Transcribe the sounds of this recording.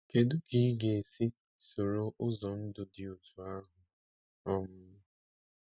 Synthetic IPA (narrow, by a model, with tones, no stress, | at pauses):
ke˨dʊ˦ki˦ɡe˨e˨si˦ | so˨ɾo˦ʔʊ˦zɔ˨n̩˦dʊ˨dɪ˨ʊ˨tʰu˨a˦ɦʊ˨ | ɔ˦mʊ˦n˦